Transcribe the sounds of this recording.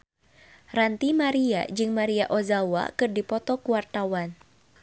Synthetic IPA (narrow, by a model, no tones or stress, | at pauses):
rant̪imaɾia̰d͡ʒɨŋmaɾiaʔɔzawa̰kɨrdipɔt̪ɔkuwart̪awan